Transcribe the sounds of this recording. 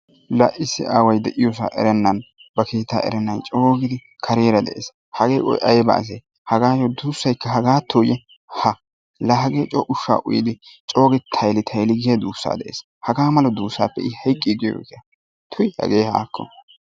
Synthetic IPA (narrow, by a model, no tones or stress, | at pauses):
lɐ̰ʔɪsːɪ̰ʔaːwɐjd̪ɛʔɪjos̬a̰ːʔɛ̰ɾɛnːɐnbɐke̞ːt̪ːa̰ːʔɛ̰ɾɛnːɐnt͡ʃʼoːɡɪd̪ɪkʰɐɾeːɾɐd̪ɛ̰ʔḛːs | hɐɡeːɔ̰jʔɐjbɐ̰ʔːs̬eː | hɐɡaːjɔd̪uːsːɐjkːɐɦɐɡaːt̪ʰːoːjɛ | hɐ | lɐɦɐɡeːt͡ʃʼɔʔʊʃːa̰ːʔʊ̰jɪd̪ɪt͡ʃʼo̞ːɡɪt̪ʰɐjlɪt̪ʰɐjlɪɡɪjɐd̪uːsːa̰ːd̪ɛʔeːs | hɐɡaːmɐlɔd̪uːsːa̰ːpːɛ̰ɪhɐjkʼːiɡjo̰ːkɛjɐ | t̪ʰʊjhɐ̰ɡeːha̰ːkʰːɔ̰